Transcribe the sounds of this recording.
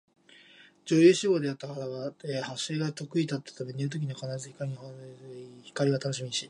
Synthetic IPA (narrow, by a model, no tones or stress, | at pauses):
d͡ʑo̞ːjɨːɕiɡo̞ːd̪e̞at̪ːakaɾaɡaehaɕeːɡat̪o̞kɯ̟it̪at̪ːḁt̪ame̞ɲʲiɯt̪o̞k̬ʲiɲakanaɾazɨçi̥kaɾio | çi̥kaɾʲiɡat̪ano̞ɕimʲiɕi